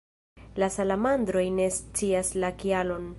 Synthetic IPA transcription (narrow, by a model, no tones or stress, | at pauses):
lasalamand̪ɾo̞jne̞st͡siaslakialo̞n